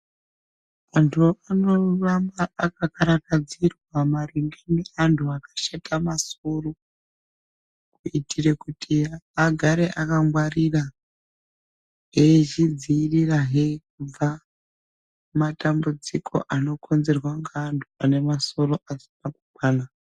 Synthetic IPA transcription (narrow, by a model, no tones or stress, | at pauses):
antʰuano̞rambaːkakaɾakad͡zirwamariŋɡeneantʰuakḁʃetamaso̞ro | kuitʰirekutʰiaɡʱaɾe̞ʔakaŋwarira | ɦeʒid͡ziːriraɦe̞k̚ub͡va | matambud͡zikʰo̞̰ʔano̞kʰo̞nze̞rwaŋɡaːntʰuane̞maso̞ro̞ʔasi̥pakukwaːna